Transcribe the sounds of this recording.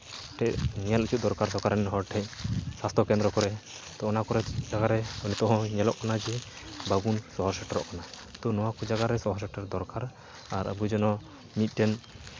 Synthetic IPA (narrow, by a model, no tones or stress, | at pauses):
ʈɛʔɲɛlut͡ʃʰut̪̚d̪ɔɾkaɾsɔkaɾanɛnɦɔɾʈʰɛɲ̚sast̪ʰɔkɛ̃nd̪ɾɔkɔɾɛ | t̪ɔːnakɔɾɛd͡ʒaɡaɾɛɔnit̪ɔɦɔ̃ɲɛlɔ̰ʔkanad͡ʒi | baɡunsɔɦɔɾsɛʈɔɾɔ̰ʔkana | t̪ɔnɔwakɔd͡ʒaɡaɾɛsɔɦɔɾsɛʈaɾd̪ɔɾkaɾ | aɾa̰bud͡ʒɔnɔ | mit̪̚ˀʈɛn